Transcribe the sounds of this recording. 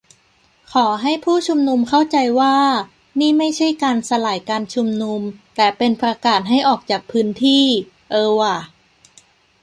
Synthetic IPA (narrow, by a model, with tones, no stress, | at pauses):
kʰɔː˩˦ɦa˥˩jpʰuː˥˩t͡ɕʰu˧mnu˧mkʰa˥˩wt͡ɕa˧jwaː˥˩ | niː˥˩ma˥˩jt͡ɕʰa˥˩jkaː˧nsa˧laː˨˩˦jkaː˧nt͡ɕʰu˧mnu˧mt̪ɛː˨˩pe˧npɾa˧kaː˨˩t̪̚ɦa˥˩jʔɔː˨˩k̚t͡ɕaː˨˩k̚pʰɯː˦˥nt̪ʰiː˥˩ | ʔɤː˧wa˨˩